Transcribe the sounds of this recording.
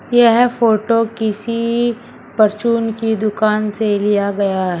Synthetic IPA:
jɛɦfoːʈokɪsi | pɐɾt͡ʃuːnkid̪ʊkaːnselijaɡɐjaɦɛ

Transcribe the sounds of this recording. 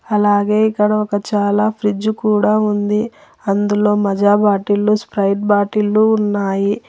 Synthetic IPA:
ɐlaːɡe̞ːikːɐɽɐɔkɐt͡ʃaːlaːpʰɾid͡ʒukuːɽaːund̪i | ɐnd̪ulo̞ːmɐd͡ʒaːbaːʈilːuspɾɐjʈ̚baːʈilːuːnːaːji

